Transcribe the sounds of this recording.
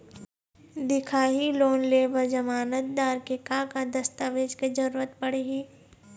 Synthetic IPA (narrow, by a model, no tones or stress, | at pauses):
d̪ɪkʰaːɦiloːnleːʋəɾd͡ʒɐmaːnət̪̚d̪aːɾkekakad̪ɐst̪aʋeːd͡ʒked͡ʒɐɾuːɾət̪̚pɐɽeːɡiː